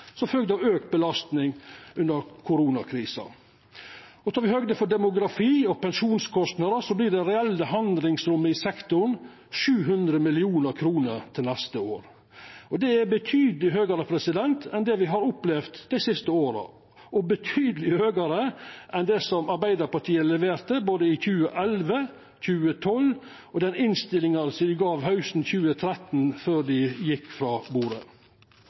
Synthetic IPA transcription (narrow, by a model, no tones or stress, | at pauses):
sɔfœlɡ̚d̪əɔøːkt̪̚bəlɑst̪nɪŋʉnd̪əɾkʰʊɾuːnɑkʰɾiːsɑ̰ | ɔt̪ʰɑːʋɪhøːɡd̪əfɔɖɛmʊɡɾɑfiːɔpɛnʂuːnskʰɔst̪nɑd̪əsɔblɪːɖɛɾɛɛlːəɦɑnd̪lɪŋsɾʉmːəɪsɛkt̪ʊɳ | ʂʉːɦʉnd̪ɾəmɪlɪuːnəɾkʰɾuːnəɾt̪ʰɪlnɛst̪əoːɾ | ɔd̪ɛæɾbət̪ʰyːd̪lɪɦøːɡəɾəpʰɾɛsɪd̪ɛnt̪ʰɛnd̪ɛʋɪɦɑɾʊplɛʋt̪d̪̥ɛɪsɪst̪əoːɾə̰ | ɔbət̪ʰyːd̪əlɪhøːɡəɾəʔɛnd̪ɛsɔmɑɾbæɪd̪əɾpɑʈʰiːəlɛʋeːɾt̪əboːd̪əɪçʉːə̰ʔɛlʋə | çʉːət̪ʰɔl | ɔd̪ɛnɪnst̪ɪlɪŋɑɾsɔd̪ɪɡɑːʋɦɑʉsn̩çʉːət̪ʰɾɛt̪nføːd̪ɪjɪkːfɾɑːbuːɾə̰